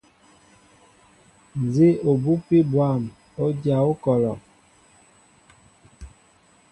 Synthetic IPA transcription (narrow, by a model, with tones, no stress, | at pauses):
n˨ze˦o˨bu˦pi˦bwa˦˨m | o˦dja˨o˦kɔ˨lɔ˨